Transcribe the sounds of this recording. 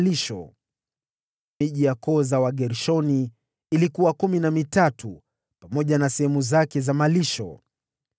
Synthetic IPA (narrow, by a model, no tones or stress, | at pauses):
liʃɔ̰ | miʄijakɔzawaɠɛɾʃɔniː | likuwakuminamitatʰu | pamɔʄanasɛhɛmuzakɛzamaliʃɔ̰